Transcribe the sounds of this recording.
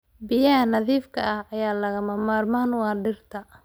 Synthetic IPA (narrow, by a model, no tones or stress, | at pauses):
bɪjɐɦɐnɐðiːfkʰɐʔɐhɐjaːlɐɣɐmɐmaːrmaːnwɑːɖɪrt̪ʰɐ